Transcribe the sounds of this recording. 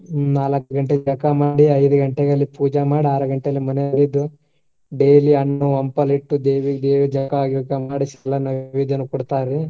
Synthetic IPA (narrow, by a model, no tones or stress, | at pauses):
naːlɐkːɐɡɐɳʈed͡ʒɐkɐmaːɽiɐjd̪uɡɐɳʈɛɡɐlːipuːd͡ʒɐmaːɽiaːɾɐɡɐɳʈeɐlːimɐnɛɐlid̪u | ɖeːliɐnːuʋɐmpɐliʈːud̪eːʋiɡd̪eːʋed͡ʒɐkɐaːɡukɐmaːɽisɛlːɐnːɐʋʋid̪ʱɐnːukɔɽt̪aːɾi